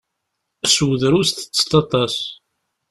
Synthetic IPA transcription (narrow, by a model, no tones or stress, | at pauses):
swəðɾusθə̥t͡sːt̪ɑt̪ˤɑs